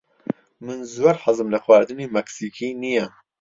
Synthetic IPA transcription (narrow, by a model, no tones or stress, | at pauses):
mɨnzwɐɾħɨzɨmlɐxwaːɾd̪ɨniːmɛksiːkʰiːnijɛ